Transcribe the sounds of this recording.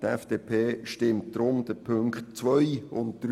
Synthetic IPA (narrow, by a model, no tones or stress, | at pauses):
tɛfd̥eːpʰeːʃtɪmtdɾʊmd̥əpʰɵŋkχt̚t͡sʋœjʊntd̪̥ɾ